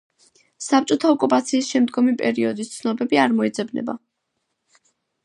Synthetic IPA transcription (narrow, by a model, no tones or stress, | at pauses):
sap̚t͡ʃʼɔt̪ʰaɔkʼupʼat̪sʰiːsʃɛmd̪ɡɔmipʼɛɾiɔd̪ist̪sʰnɔbɛbiaɾmɔɛd̪zɛbnɛ̰ba̰